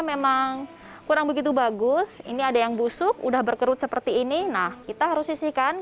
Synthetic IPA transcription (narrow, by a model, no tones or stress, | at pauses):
memaŋ | kuɾaŋbəɡit̪̬ubaɡʊsḭniadajaŋbusʊkṵdahbərkəɾʊt̪̚səpərt̪iːninahkit̪aɦaɾʊsisɪhkan